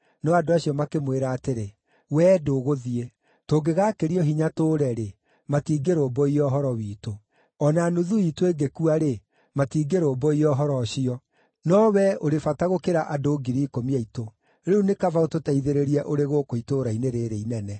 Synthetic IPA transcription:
nɔadoaɕiɔmakemweɾaːteɾe | wɛːdoɣoðie | toːɡeɣakeɾiɔɦiɲatoːɾɛɾe | matiːɡeɾoːbɔiɔɦɔɾɔwiːto | ɔnanoðuitoeɡekuaɾe | matiːɡeɾoːbɔiɔɦɔɾɔɕiɔ | nɔwɛoɾefataɣokeɾaʔadoːɡiɾiːkomiaito | ɾeunekavaototaiðeɾeɾiɛʔoɾeɣokoitoɾaineɾeɾeinɛnɛ

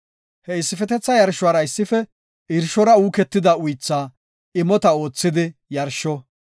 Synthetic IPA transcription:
hɛɪsːɪfɛt̪ɛt͡sːɐjɐɾʃʊaːɾɐɪsːɪfɛ | ʔɪɾʃɔɾɐuːkɛt̪ːɪd̪ɐʊjt͡sːaː | ɪmɔt̪ɐo̞ːt͡sːɪd̪ɪjɐɾʃɔ

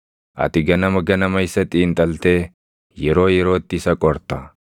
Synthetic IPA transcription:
ʔɐ̰t̪ɪɡɐnɐmɐɡɐnɐmɐɪsɐt̪ʼiːnt̪ʼɐlt̪e̞ː | jɛɾo̞ːjɛɾo̞ːt̪ːɪsɐkʼɔɾt̪ɐ

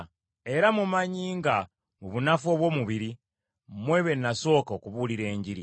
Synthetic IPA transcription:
e̞ɾamumaɲiːŋɡa | muβunafo̞βwo̞ːmuβiɾi | mwe̞βe̞naso̞ːkaokuβuliɾe̞ːɲɟiɾi

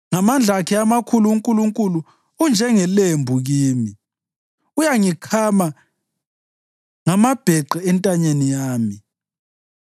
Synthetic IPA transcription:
ŋamand͡ɮʱakʰɛamakʰuluːŋkʼuluŋkʼuluː | nd͡ʒʱɛŋɛlembʱuɣiːmi | ujaŋikʰama | ŋamab̥ʱɛǃɛɛntʼaɲenijaːmi

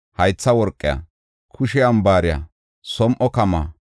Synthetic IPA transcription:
hɐjt͡sːɐwɔɾkʼːɪja̰ | kʰʊʃɪjɐmbaːɾɪjɐ̰ | sɔmʔɔkɐma̰ː

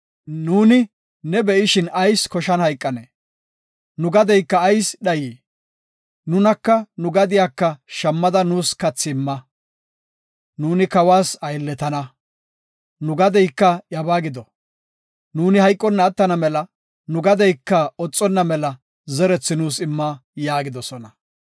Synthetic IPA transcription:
nuːnɪ | nɛbɛʔɪʃɪnɐjskɔʃɐnhɐjkʼːɐneː | nʊɡɐd̪ɛjkːɐːjsɗɐjiː | nʊnɐkːɐnʊɡɐd̪ɪjaːkːɐʃɐmːɐd̪ɐnuːskɐt͡sːɪːmːɐ | nuːnɪkɐwaːsɐjlːɛt̪ɐnɐ | nʊɡɐd̪ɛjkːɐjɐbaːɡɪd̪ɔ | nuːnɪhɐjkʼːɔnːɐːt̪ːɐnɐmɛlɐ | nʊɡɐd̪ɛjkːɐɔt͡sʼːɔnːɐmɛlɐ | zɛɾɛt͡sːɪnuːsɪmːɐjaːɡɪd̪ɔsɔnɐ

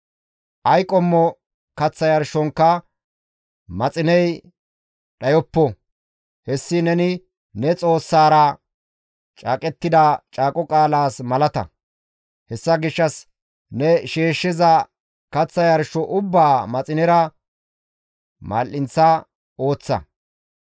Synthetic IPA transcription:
ʔɐjkʼɔmːɔ | kɐt͡sːɐjɐɾʃɔŋkːɐ | mɐt͡sʼɪnɛj | ɗɐjɔpːɔ | hɛsːɪnɛnɪ | nɛt͡sʼo̞ːsːaːɾɐ | t͡ʃʼaːkʼɛt̪ːɪd̪ɐt͡ʃʼaːkʼɔkʼaːlaːsmɐlɐt̪ɐ̰ | hɛsːɐɡɪʃːɐs | nɛʃeːʃːɪzɐ | kɐt͡sːɐjɐɾʃɔʔʊbːaːmɐt͡sʼɪnɛɾɐ | ma̰ːlʔɪnt͡sːɐ | o̞ːt͡sːɐ̰

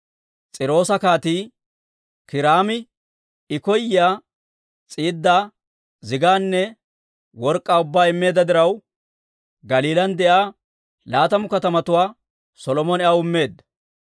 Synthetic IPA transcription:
t͡sʼɪɾo̞ːsɐkaːt̪iː | kɪɾaːmɪ | ɪkɔjaː | t͡sʼiːd̪ːaː | zɪɡaːnːɛ | wɔɾkʼːaːʊbːaːɪmːe̞ːd̪ɐd̪ɪɾɐw | ɡɐliːlɐnd̪ɛʔaː | laːt̪ɐmʊkɐt̪ɐmɐt̪ʊwaː | sɔlɔmɔnɛʔawɪmːe̞ːd̪ːɐ̥

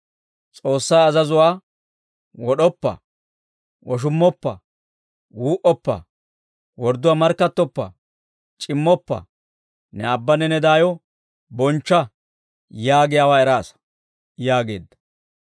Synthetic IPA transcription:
t͡sʼo̞ːsːaːɐzɐzʊwaː | wɔɗɔpːɐ̰ | wɔʃ̬ʊmːɔpːɐ̰ | wuːʔɔpːɐ̰ | wɔɾd̪ʊwaːmɐɾkːɐt̪ːɔpːɐ̰ | t͡ʃʼɪmːɔpːɐ̰ | nɛɐbːɐnɛnɛd̪aːjɔ | bɔnt͡ʃːɐ | jaːɡɪjaːwaːɛɾaːsɐ̥ | jaːɡe̞ːd̪ːɐ̥

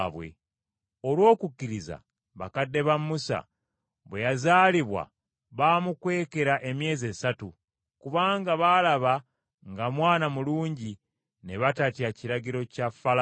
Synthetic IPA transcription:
βwe̞̰ | o̞lwo̞ːkukːiɾiza̰ | βakadːe̞βamːusa̰ | βwe̞jazaːliβwa̰ | βaːmukwe̞ːke̞ɾaʔe̞mje̞ːze̞satu | kuβaːŋɡaβalaβa | ŋɡamwaːnamuluːɲɟi | ne̞βatatjaciɾaɟiɾo̞cafal

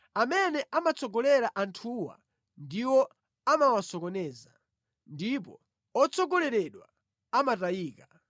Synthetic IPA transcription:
amɛnɛʔamat͡sʰɔɡɔlɛɾaʔantʰuwa̰ | ndiwɔ | amawasɔkɔnɛːza | ndip̬ɔ̰ | ɔt͡sʰɔɡɔlɛɾɛɗwa | amatajiːka

